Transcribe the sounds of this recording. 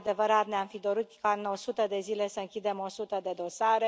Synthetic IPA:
d̪e̞vəɾat̪neamfid̪o̞ɾut̪kaɨno̞sut̪əd̪e̞zile̞səɨŋkʲid̪e̞mo̞sut̪əd̪e̞d̪o̞saɾe

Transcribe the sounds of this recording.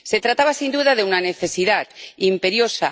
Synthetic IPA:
set̪ɾat̪aβasind̪uðaðeunaneθesiðat̪impeɾjosa

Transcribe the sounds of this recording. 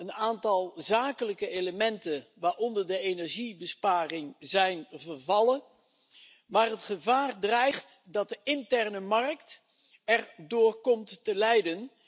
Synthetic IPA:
ənaːntɑlˠzaːkələkəejləmɛntənʋaːɹɔndəɹdəenɛɹʒibəspaːrɪŋzɛjnvərvɑlən | maːrɦətχəvaːrdrɛjχtdɑt̚dəɪntɛɹnəmɑrkt | ɛrdʊːɹkɔmttəlɛjdən

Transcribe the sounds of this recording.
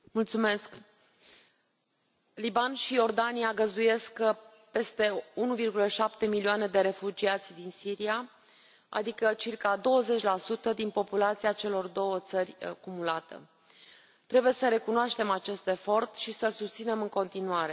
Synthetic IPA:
mult̪sume̞sk | libanʃijo̞rd̪aniaɡəzd̪uje̞sk | pe̞st̪e̞unuvirɡuləʃap̚t̪e̞miliane̞d̪e̞ɾe̞fud͡ʒiat̪sʲd̪insiɾia | a̰d̪ikət͡ʃirkad̪o̞wəze̞t͡ʃʲlasut̪əd̪inpo̞pulat̪siat͡ʃe̞lo̞rd̪o̞wət̪sərʲa̰kumulat̪ə̰ | t̪ɾe̞buje̞səɾe̞kunoaʃt̪e̞mat͡ʃe̞st̪efo̞rt̪ʃisəlsust̪sine̞mɨŋko̞nt̪inuaɾe̞

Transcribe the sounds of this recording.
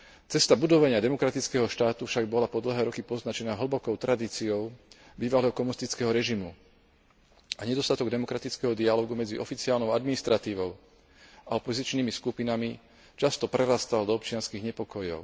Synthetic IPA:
t͡sɛst̪abud̪ɔʋaɲɪad̪ɛmɔkɾat̪it͡skɛːɦɔʃt̪aːt̪ufʃaɡ̚bɔlapɔd̪l̩ɦɛːɾɔkipɔznat͡ʃɛnaɦl̩bɔkɔʊt̪ɾʔad̪iːt͡siɔʊ | biːʋalɛːɦɔkɔmunist̪it͡skɛɦɔɾɛʒimu | aɲɛd̪ɔst̪at̪ɔɡd̪ɛmɔkɾat̪it͡skɛɦɔd̪ialɔɡumɛd͡ziʔɔfit͡siaːlnɔʊad̪minist̪ɾat̪iːʋɔʊ | aɔpɔzit͡ʃniːmiskupinami | t͡ʃast̪ɔpɾɛɾast̪ald̪ɔɔp̚t͡ʃɪanskiɣɲɛpɔkɔjɔ̰ʊ

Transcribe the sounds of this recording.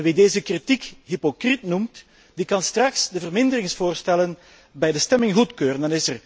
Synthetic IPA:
nʋideːzəkritikɦypokritnumt | dikɑnstrɑksdəvərmɪndərɪŋsfoːrstɛlən | bɛjdəstɛmɪŋɣutkøːrəndɑnɪsər

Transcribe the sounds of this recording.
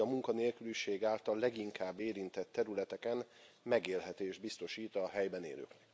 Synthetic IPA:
ɒmuŋkɒneːlkyliʃeːɡaːlt̪ɒlːɛɡiŋkʰaːbːeːɾint̪ɛt̪ːɛɾylɛt̪ɛkɛn | mɛɡeːlɦɛt̪eːʒd̪̚bist̪o̞ʃiːt̪ɒɦɛjbɛnḛːlø̰ːknɛk

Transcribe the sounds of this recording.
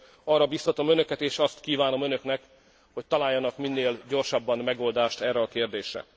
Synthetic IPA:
ɒrːɒbist̪ɒt̪o̞mø̞nø̞kɛt̪eːʃɒst̪kiːvaːno̞mø̞nø̞knɛk | ho̞c̚t̪ɒlaːjːɒnɒkminːeːlɟo̞rʃɒbːɒnmɛɡo̞ld̪aːʃt̪ɛːrːɛɒkeːrd̪eːʃrɛ̰

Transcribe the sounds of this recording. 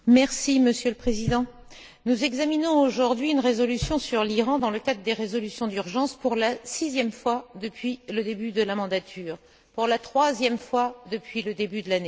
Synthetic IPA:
mɛʁsiməsjøləpχezid̪ɑ̃ | nuzɛɡzaminɔ̃oʒuʁd̪ɥiynʁezɔlysjɔ̃syʁliʁɑ̃d̪ɑ̃ləkad̪ʁəd̪eʁezɔlysjɔ̃d̪yʁʒɑ̃spuʁlasizjɛmfwad̪əpɥiləd̪ebyd̪əlamɑ̃d̪at̪ʰyːʁ | puʁlat̪χwazjɛmfwad̪əpɥiləd̪ebyd̪əlane

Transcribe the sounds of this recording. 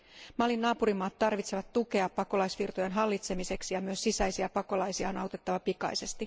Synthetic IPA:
mɑlːinːɑːpuɾimɑːt̪tɑrʋit̪seʋɑt̪t̪ːuke̞ɑpːɑko̞lɑjsʋirt̪ojenɦɑlːit̪se̞mise̞ksijɑmyøsːisæjsiɑpɑko̞lɑjsiɑonɑwt̪e̞t̪ːɑʋɑpikɑ̰jse̞st̪i

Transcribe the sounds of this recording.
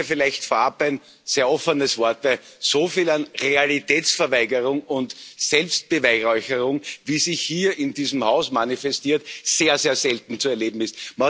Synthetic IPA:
fɪlæɪçtfoɐapæɪn | seːɐʔɔfənəsv̥ɔɐtvæɪsoːfiːlanʁealitʰɛːt͡sfɛɐvæɪɡəʁʊŋʊntsɛlpst̚b̥əvæɪʁɔʏçəʁʊŋviːsɪçhiːɐɪndiːzmhaʊsmanifɛstiːɐtseːɐzeːɐsɛltn̩t͡suɛɐleːbm̩ɪst̚ma

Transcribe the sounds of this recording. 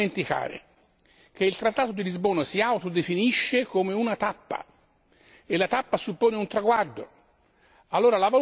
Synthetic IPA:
ent̪ika̰ːɾḛ | k̟eilt̪ɾat̪ːaːt̪od̪ilizboːnasiawt̪od̪efiniʃːekomeunat̪apːa̰ | elːat̪apːasupːoːneunt̪ɾaɡward̪o | alːoːɾalava

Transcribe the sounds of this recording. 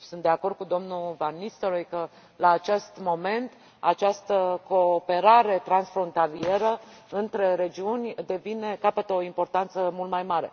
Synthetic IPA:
sunt̪d̪e̞ako̞rd̪̚kud̪o̞mnuvanːist̪oɾojkə | laːt͡ʃest̪mo̞me̞nt̪ | a̰t͡ʃast̪əko̞pe̞ɾaɾe̞t̪ɾansfɾo̞nt̪alie̞ɾə | ɨnt̪ɾe̞ɾe̞d͡ʒiunʲd̪e̞vine̞kapət̪o̞impo̞rt̪ant̪səmult̪majmaɾe̞̰

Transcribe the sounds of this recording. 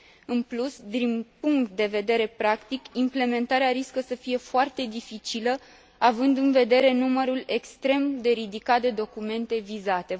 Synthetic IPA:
ɨnplusd̪inpuŋktt̪̚d̪e̞ve̞d̪e̞ɾe̞pɾakt̪ikimple̞me̞nt̪aɾeaɾiskəsəfije̞foart̪e̞d̪ifit͡ʃilə | avɨnd̪ɨnve̞d̪e̞ɾe̞numəɾule̞kst̪ɾe̞md̪e̞ɾid̪ikat̪̚d̪e̞d̪o̞kume̞nt̪e̞vizat̪e̞

